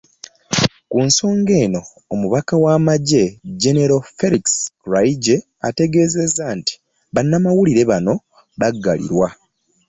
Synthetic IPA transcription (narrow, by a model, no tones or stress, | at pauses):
kunso̞ːŋɡe̞ːno̞ː | muβakawaːmaɟe̞ɟeneɾofe̞liksɾaiɟe | a̰te̞ɡe̞ːze̞zanti̥ | βanːamawuliɾe̞βano̞ | βaɡːa̰lḭɾwa